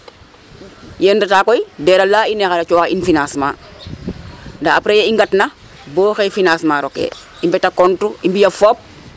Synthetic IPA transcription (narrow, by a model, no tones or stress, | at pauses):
jendataːkɔjdɛɾalaːinɛxaɾat͡ʃɔːxainfinasma̰ː | ndaapɾejeiŋɡatna | bɔːxefinaːsmaːɾɔkḛː | imbɛtakɔntuimbijɐfoːp̚